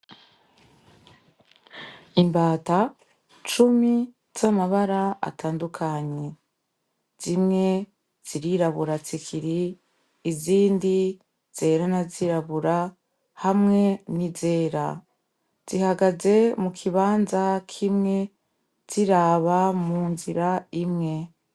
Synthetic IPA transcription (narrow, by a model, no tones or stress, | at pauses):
imbaːta | t͡ʃumi | z̥amaβaɾaa̰tʰaːndukʰaɲe̞ | z̥imŋe̞ | z̥iɾiɾaβuɾat͡sikʰiɾiː | ziːndi | z̥e̞ːɾanaziɾaβuɾa | hamŋe̞nize̞ːɾa̰ | z̥ihaɡaze̞mukʰiβaːnzakʰimŋe̞ | z̥iɾaːβamuːnziɾaimŋe̞